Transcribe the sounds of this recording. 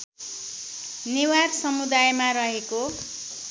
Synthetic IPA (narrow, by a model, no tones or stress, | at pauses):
newarsʌmud̪ajmaɾʌɦeko